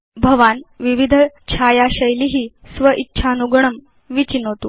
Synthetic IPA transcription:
bʱəʋanʋiʋid̪ʱət͡ɕʰajaɕəjliɦiːsʋəʔitːɕʰanuɡɳəm | ʋit͡ɕinɦot̪uː

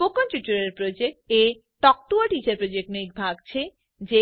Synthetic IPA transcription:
pokont͡ɕut͡ɕːuɾeɾpɾod͡ʑek̚ʈe | ʈɔk̚ʈuaʈit͡ɕaɾpɾod͡ʑek̚ʈnejk̚bʱaɡt͡ɕʰe | d͡ʑe

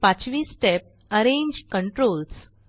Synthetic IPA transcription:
pãt͡sʋiːsːʈep̚ | əɾẽɲd͡ʑkəɳʈɾols

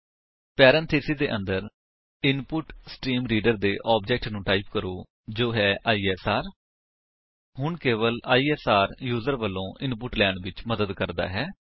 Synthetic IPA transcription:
pɛːɾɛ̃ːnt̪ʰeːsiːd̪eːʔənd̪əɾ | ɪnpʊʈsʈiːmɾiːɖəɾd̪eːʔɔːbd͡ʒɛːk̚ʈnũːʈaːɪp̚kəɾoː | d͡ʒoːɦɛːʔaːiːɛːsaːɾ | ɦʊɳkeːʋəlaːiːɛːsaːɾjuːzəɾʋəlːõːʔɪnpʊʈlɛːɳʋɪt͡ʃməd̪əd̪kəɾd̪a̰ːɦɛː

